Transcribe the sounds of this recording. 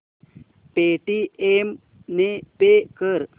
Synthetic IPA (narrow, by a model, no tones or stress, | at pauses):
peʈiem | nepekəɾ